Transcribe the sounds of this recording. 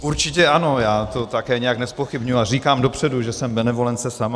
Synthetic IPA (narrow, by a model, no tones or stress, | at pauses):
uɾt͡ʃɪcɛʔano̞jaːt̪o̞t̪akɛːɲɛjaknɛspo̞xɪbɲujuariːkaːmdo̞pr̝̥ɛduʒɛsɛmbɛnɛvo̞lɛnt͡sɛsama